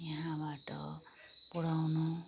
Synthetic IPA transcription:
jʌɦãbaʈʌ̰ | pɔɽawnu

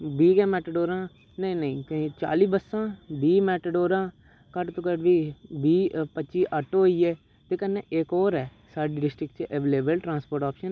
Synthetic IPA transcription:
biːɡɛːmɛːʈəɖoːɾãː | nəĩːnəĩːkə̃ːt͡ʃa̰ːliːbəsãːbiːmɛːʈəɖoːɾãː | kəʈt̪oːkəʈʋiːbiːpət͡ʃiːʔəʈːoiːɛː | t̪eːkənːeːʔɪkoːɾɛː | saːɖiːɖɪsʈɾɪkt͡ʃʔeːʋeːleːbəlʈɾãːnspoːɾʈaːpʃən

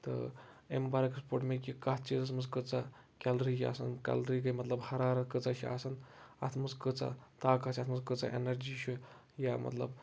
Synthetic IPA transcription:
t̪ɐ̰ | ḛmbaɾɐkspoːʈmekikɐt̪ʰt͡ʃizɐsmɨskɨt͡sa | kʲalɾiːʃia̰sɐnkʲa̰lɾiːkɐjmɐt̪lɐbhɐɾaːɾɐt̪̚kət͡saʃia̰ːsɐnɐ̰t̪ʰmɨskɨt͡sa̰t̪aːkasʰʲɐt̪ʰmɐzkɨt͡sa̰ʔḛnɐɾd͡ʒiːʃʰu | jamɐ̰t̪lɐ̰b

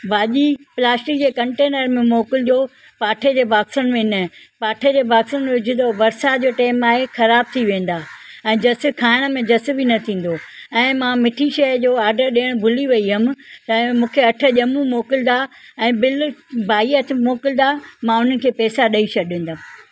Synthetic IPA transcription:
baːʄiplaːsʈɪk̚d͡ʑeːkɐ̃ɳʈeːnəɾmẽmoːkɪld͡ʑoː | paːʈʰed͡ʑeːʋaːksənmẽnə | paːʈʰed͡ʑeːʋaːksənmẽʊd͡ʑʱɪ̃nd̪oʋɐɾsad͡ʑoːʈeːmaːɦexɐɾaːb̚t̪ʰiʋẽːn̆d̪aːɛ̃ːd͡ʑɐsɪ̆kʰaːɪɽ̃mẽd͡ʑɐsɪbʱinɐt̪ʰĩːn̆d̪oɛ̃ːmãmɪʈʰiʃɐd͡ʑoːaːɾɖəɾɗeːəɽ̃bʱʊliʋɐiɦɐm̆t̪ɐ̃mũːkʰeɐʈʰə̆ʄɐmũmoːkɪld̪aɛ̃ːbɪlbʱaːiət̪ʰmoːkɪld̪amãʊn̤ənɪ̆kʰeːpɛːsaɗɐiʃɐɗẽːn̆d̪am

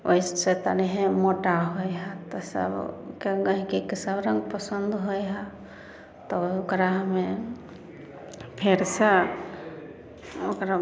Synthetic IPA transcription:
ojsset̪a̰niɦemoʈaɦojɦat̪ɔsə̰bkekəɦikikisəbɾəŋɡpəsənd̪ʱɦojɦa | t̪ɔokɾaɦme | pʰeɾse | okɾa

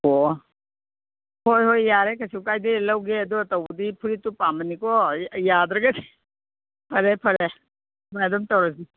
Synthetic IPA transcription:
o | hojɦojːaɾekʰasiwkajdilɐwɡeɐduɐtawbudipʰuɾitupamɐnikɔjadɾɐɡadi | pʰɐɾepʰɐɾe | madɔmtawɾasi

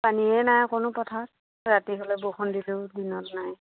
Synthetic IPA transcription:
paniɛnajkonʊpɔtʰat | ɹatiɦɔlɔboxʰɔndileʊdinɔtnaj

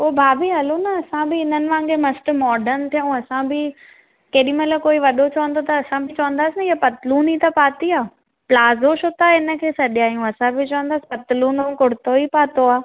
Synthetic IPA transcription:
oːbʱaːbʱiɦɐlonɐɐsãbɪɪn̤ənɪ̆ʋãːŋɡemɐsʈmɔːɖəɾnt̪ʰijũɐsãbɪ | kɐːɗĩmelakoːiʋɐɗot͡ɕɐʋə̃nd̪ot̪ɐːsãbɪt͡ɕɐʋə̃nd̪aːsɪnɐiːapɐt̪ɪluːnit̪ɐpaːt̪iaː | plaːzoʃot̪aɪnə̆kʰeːsɐɗijaːjũɐsãbɪt͡ɕɐʋə̃nd̪aːsɪ̥pɐt̪ɪluːñkʊɽɪt̪oipaːt̪oaː

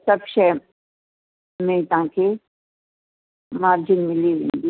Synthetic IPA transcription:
sɐbʃɛ | mɛ̃t̪aãkʰe | maːɾd͡ʒɪnmɪliʋḛ̃ːnd̪iː

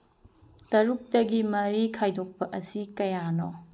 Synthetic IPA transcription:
tɐɾuk̚tɐɡimɐɾikʰajdʱok̚pɐʔɐsikɐjano̰

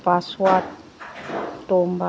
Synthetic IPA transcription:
paswat | tomba

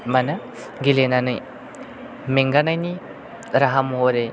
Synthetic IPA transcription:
manɐ | ɡilenanɯj | meŋɡanajni | ɾaɦamɦoɾe

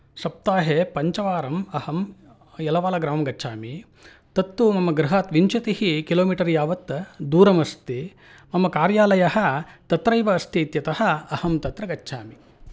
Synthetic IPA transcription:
sɐp̚t̪aːɦeːpɐɲt͡ʃɐʋaːɾɐmɐhɐm | jɛlɐʋaːlɐɡɾaːmɐmɡɐt͡ʃːʃʰaːmi | t̪ɐt̪ːumɐmːɐɡɾuɦaːt̪ʋiɲt͡ʃɐt̪ihikiloːmiːʈɐɾjaːʋɐt̪d̪uːɾɐmɐst̪i | mɐmːɐkaːɾjaːlɐjɐɦɐ̆t̪ɐt̪ɾɐjʋɐːst̪ʰiːt̪jɐt̪ɐhɐ̆ɐhɐmt̪ɐt̪ɾɐɡɐːʃʰaːmi

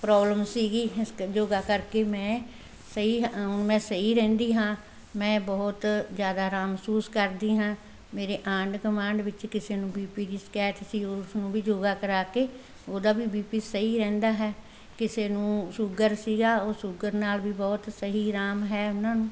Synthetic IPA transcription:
pɾɔːbləmsiːɡiːɪsd͡ʒoːɡaːkəɾkeːmɛ̃ː | səɦiːɦʊnmɛ̃ːsəɦiːɾɛ̃ːnd̪iːɦãː | mɛ̃ːbɔːt̪zjaːd̪aːɾaːmsuːskəɾd̪iːɦãː | meːɾeːʔãːɳɖkəmãːɳɖʋɪt͡ʃkɪseːnũːbiːpiːɾiːskɛːʈ̪siːʊsnũːʋiːd͡ʒoːɡaːkəɾaːkeː | oːd̪aːbiːbiːpiːsəɦiːɾɛ̃ːnd̪aːɦɛː | kɪseːnũːsʊɡəɾsiːɡaːoːsʊɡəɾnaːlʋiːbɔːt̪səɦiːɾaːmɦɛːʊnãːnũː

